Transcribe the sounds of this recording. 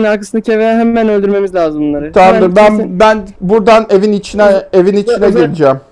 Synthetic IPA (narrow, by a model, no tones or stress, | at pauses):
naɾkʰasɯnacʰevejɛɦæmːænølʲd̪yɾme̞mizlʲaːzɯmunlˠaɾɯt̪ʰanˠɯbænbænbuɾd̪ane̞vinit͡ʃʰinɛevinit͡ʃʰinɛɡelʲid͡ʒɛm